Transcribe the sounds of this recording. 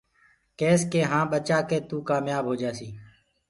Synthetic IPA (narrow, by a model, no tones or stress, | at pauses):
keːskeːɦãːɓət͡ʃaːkeːt̪uːkaːmjaːbɦoːd͡ʒaːsiː